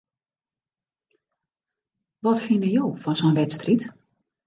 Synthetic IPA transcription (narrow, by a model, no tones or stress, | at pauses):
ʋɔtfinəjoːfɔnsonʋɛtstrit